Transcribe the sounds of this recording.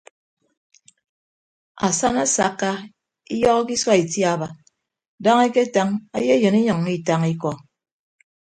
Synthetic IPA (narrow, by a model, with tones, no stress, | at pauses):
a̰˨sa˦na˦sa˨˦kːa˦ | i˦jɔ˦ɣɔ˦ki˦swa˦i˨tja˨ba˨ | da˦ŋe˦ke˦ta˦ŋa̰˦je˦jɨ˨ni˦ɲɔ˨ŋmi˦˨ta˦ŋi˦kɔ˨